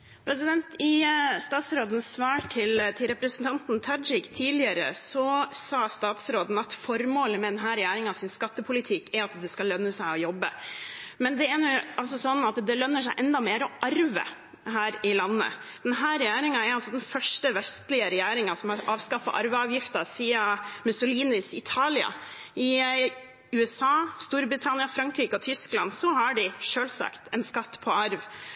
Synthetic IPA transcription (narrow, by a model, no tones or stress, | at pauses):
pʰɾɛs̬ɪd̪ɛnt̪ɪst̪ɑːt̪sɾoːd̪ən̩sːʋɑːʈʰɪlt̪ʰɪlɾɛpɾəsənt̪ʰɑnt̪n̩t̪ʰɑd͡ʒɪkt̪ʰiːlɪəɾə̰sɔsɑːst̪ɑːt̪sɾoːd̪n̩ɑt̪fɔɾmoːləmɛd̪ɛnɦæːɾɛjæːɾɪŋɑsɪnskɑt̪ːəpʰʊlɪt̪ʰɪkːæɾɑt̪d̪ɛskɑlːœnːəsæɪɔjɔbːə̰mɛnd̪ɛɛnʊɑls̬ɔsɔnːɑt̪d̪ɛlœnːəʂæɪʔɛnd̪ɑmeːɾɔʔɑɾʋə̰ | ɦæːɾɪlɑnːə̰ | d̪̥ɛnɦæːɾɛjæːɾɪŋɑɛɾɑlsɔd̪ɛnfœʂʈəʋɛst̪lɪəɾɛjæːɾɪŋɑsɔmɑɑːʋskɑfɑ̰ʔɑɾʋəɑːʋjɪft̪əsiːɑmʉsʊliːnɪsɪt̪ʰɑːlɪɑ̰ | ɪ | ʉːɛsɑːst̪uːɾbɾɪt̪ʰɑnɪɑfɾɑŋkɾiːkəɔt̪ʰʏsklɑnsɔhɑɖɪʂøːlsɑ̰kt̪ɛnskɑt̪ːpʰɔɑɾʋ